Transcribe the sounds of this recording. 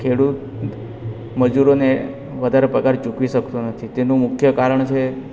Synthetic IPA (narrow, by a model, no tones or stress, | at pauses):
kʰeɽut̪ | məd͡ʒuɾone | ʋəd̪ʱaɾepɾəkaɾd͡ʒukʋiʃəkt̪unət̪ʰit̪enũmʊkʰjəkaɾəɳt͡ʃʰe